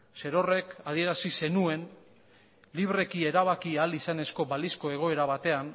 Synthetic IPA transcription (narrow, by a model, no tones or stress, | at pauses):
se̞ɾo̞re̞kaðie̞ɾasise̞nue̞n | liβ̞re̞kie̞ɾaβ̞akialisane̞sko̞βalisko̞e̞ɣ̞o̞e̞ɾaβ̞at̪e̞an